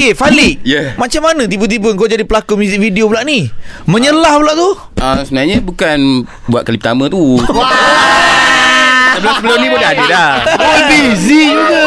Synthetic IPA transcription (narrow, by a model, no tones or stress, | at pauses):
kefalɪʔjəmat͡ʃamːanə̃t̪̬ibət̪̬ibəŋkawd͡ʒadipəlakumjuzik̚fidiobulaʔnimə̃ɲəlahbulaʔt̪u | əsəənaɲəbukan | bua̰ʔ̪̚kalipət̪amə̃t̪u | səbəlʊmsəbəlʊmnĩbodaɦadəlaabizi